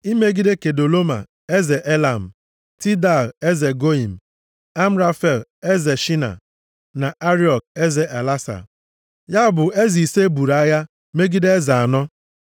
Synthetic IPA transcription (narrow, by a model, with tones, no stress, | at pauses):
i˦me˦ɡi˦de˦ke˨do˨lo˦ma̰˨ | e˦ze˨ʔe˦la˨m̩˨ | ti˦da˨le˦ze˨ɡo˦i˨m̩˨ | a˦m̩˦ɾa˦fe˨le˦ze˨ʃi˦na̰˨ | na˨ʔa˦ɾi˦ɔ˨k̚e˦ze˨ʔa˨la˦sa̰˨ | ja˦˨bʊ˨e˦zi˨se˦bu˨ɾa˦ja˦ | me˦ɡi˦de˦e˦za˨a˨nɔ˦